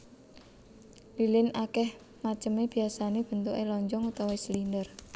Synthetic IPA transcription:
lilɪnʔakɛh | mat͡ʃəmeb̥i̤asaneb̥ə̤nt̪uʔelɔɲd͡ʒɔŋut̪awesəlindər

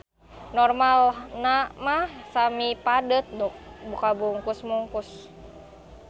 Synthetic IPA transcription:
nɔrmalnamahsamipadət̪̚nuk̚bukabuŋkusmuŋkus

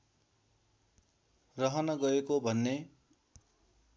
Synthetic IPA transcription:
rʌɦʌnʌɡʌekobʱʌnːe

